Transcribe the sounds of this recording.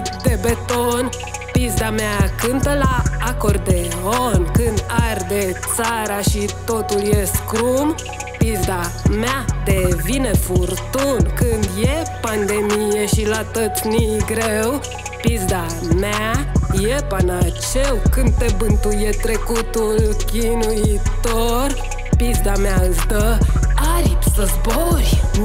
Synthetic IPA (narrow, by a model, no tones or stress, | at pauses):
d̪e̞bet̪on | pizd̪ameakɨnt̪əlaːkord̪̚d̪eonkɨnd̪ard̪et̪saɾaʃit̪o̞t̪uljeskɾum | pizd̪a | mead̪evinefurt̪unkɨnd̪jepand̪e̞mijeʃilat̪ət̪sniɡɾew | pizd̪a | majepanat͡ʃewkɨnd̪̚t̪e̞bɨnt̪ujet̪ɾe̞kut̪ulkʲinuit̪or | pizd̪ameaɨzd̪əaɾip̪səzboɾʲ